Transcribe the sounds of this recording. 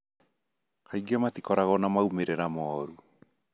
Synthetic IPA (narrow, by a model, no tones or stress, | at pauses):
kaiɡiamat̪ikɔɾaɣɔnamaumeɾɛɾamɔːɾu